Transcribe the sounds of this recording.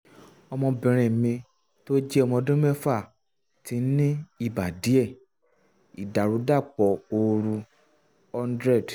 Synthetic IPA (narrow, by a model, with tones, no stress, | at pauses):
ɔ˧mɔ̃˧bɛ̃˨ɾ̃ɛ̃˨mĩ˧ | to˦d͡ʒɛ˦ɔ˧mɔ̃˧dũ˦mɛ˦fa˦˨ | ti˨˧˦nĩ˦i˧˨ba˨di˨˦ɛ˦˨ | i˨da˨ɾu˨˦da˦˨k͡pɔ˧o˧ɾu˧ | ɔ˧ndɾɛ˦˨d